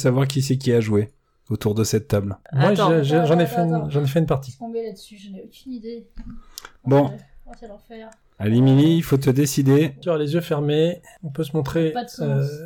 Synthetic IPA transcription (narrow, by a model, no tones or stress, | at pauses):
savwaʁkʲis̬ɛkʲiaʒwe | ot̪uʁd̪əsɛt̪ːablmwaʒʒʒɑ̃nɛfɛʒɑ̃nɛfɛynpaʁt̪ĩelad̪syʒokʲynid̪e | bɔ̃ | alimiliːlfot̪̬əd̪esid̪esyʁalezjøfɛʁme | ɔ̃pøsəmɔ̃t̪χeø